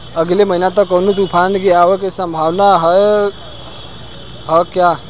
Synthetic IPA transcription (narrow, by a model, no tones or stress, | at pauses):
əɡleməɦinat̪ɔkəwnot̪upʰankeawekesə̃mbʱawnaɦəe | ɦəkja